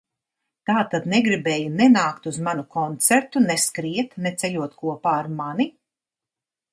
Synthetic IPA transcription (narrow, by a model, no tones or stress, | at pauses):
t̪aːt̪ad̪neɡɾibeːjunɛnaːkt̪uzmanukɔnt̪seɾt̪unɛskɾiɛt̪net̪sɛʎʲuɔt̪kuɔpaːɾmani